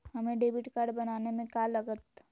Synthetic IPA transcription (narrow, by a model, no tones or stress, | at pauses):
hɐmẽɖeːbɪʈkaːɾɖbɐnaːnemẽkalɐɡət̪